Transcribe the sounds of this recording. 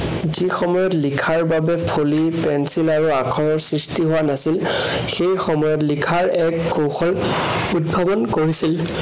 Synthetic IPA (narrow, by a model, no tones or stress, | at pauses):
zixɔmɔjɔtlikʰaɹbabɛpʰolipɛnsilaɹuakʰɔɹɔɹsɹistiɦʊwanasil | xejxɔmɔjɔtlikʰaɹɛkɡowxɔl | ud̚bʱabɔnkoɹisil